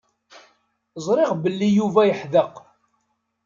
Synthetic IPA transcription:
zˤɾˤɪʁbəlːijuvæjəħðəq

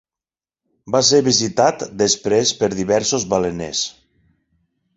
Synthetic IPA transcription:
bas̬eɾβizit̪at̪d̪əspɾespəɾðiβɛɾsozβalenḛs

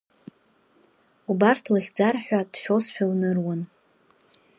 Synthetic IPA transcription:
ubartʰlaχʲd͡zarħᶣʷad̥ʃᶣo̞sħᶣawnɨrwan

